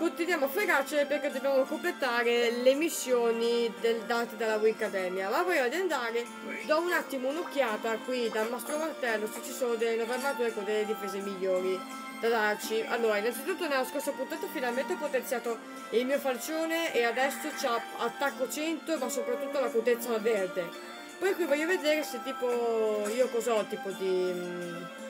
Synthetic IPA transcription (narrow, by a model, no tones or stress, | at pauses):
kut̪ːid̪jamofekat͡ʃepeɾked̪ːobjamokomplet̪aːɾelemisːjoːnid̪eld̪aːt̪id̪alːavuikːad̪ɛːmjamavɔjvad̪iand̪aːɾe | d̪aunat̪ːimounokːjaːt̪akwid̪anɔst̪ɾomart̪ɛlːoset͡ʃːisonod̪enovɛɾnat̪uɾekod̪eled̪ifezemiʎːoːɾi | d̪̥ad̪art͡ʃiʔa̰lːoːɾainant̪sit̪unt̪ːonɛloskost̪opunt̪aːt̪ofinalment̪eɔpːot̪ent̪sjaːt̪o | ilmiːofalt͡ʃoːneead̪ɛsːot͡ʃa | at̪ːakːot͡ʃɛnt̪omasːopɾat̪ːut̪ːolakut̪et̪sːavɛɾd̪e | pɔjkwivɔʎːoved̪eːɾeset̪ːiːpoiːokozɔt̪ːiːpod̪i